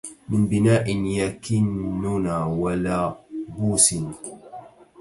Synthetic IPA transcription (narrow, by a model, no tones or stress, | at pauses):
mɪnbɪnaːʔɪnjakɪnːunawalaːbuːsɪn